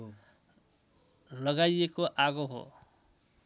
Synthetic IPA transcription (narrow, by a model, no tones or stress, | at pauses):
lʌɡajekoʔaɡoɦo̰